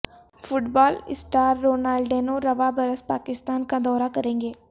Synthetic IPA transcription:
fʰʊʈbaːlɪ̰sʈaːɾːoːnaːlɖɖeːnoɾɐʋabəɾəspaːkɪst̪aːnkad̪ɔːɾakɐɾẽːŋɡeː

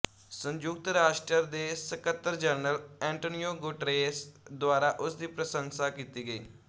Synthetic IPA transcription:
sə̃ɲd͡ʒʊk̚t̪ɾaːʃʈɾəɾd̪eːsəkət̪ːəɾd͡ʒəɾnəlɛ̃ːɳʈoːnijoːɡʊʈɾeːsd̪ʊaːɾaːʔʊsd̪iːpɾəsə̃ŋsaːkiːt̪iːɡəiː

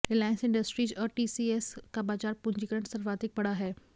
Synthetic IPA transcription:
ɪlaːɪ̃nsɪ̃ɳɖəsʈɾiːd͡ʑɔːɾʈiːsieskabaːd͡ʒaːɾpʊ̃ɲd͡ʑikɐɾəɳʈsɐɾʋaːd̪ɪk̚bɐɽaɦɛː

